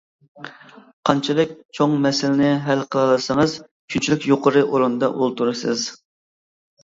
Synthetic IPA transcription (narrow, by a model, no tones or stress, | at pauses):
qʰɑnt͡ʃʰɪlˠɪk̚ʲt͡ʃʰoŋmɛsɪlɪnɪɦɛlqʰəlˠɑlˠɨsɨŋɨz | kʲʰynt͡ʃʰilɪkʲjoqʰəɾɨʔoɾund̪ɑʔulˠt̪ʰuɾɨsɨz̥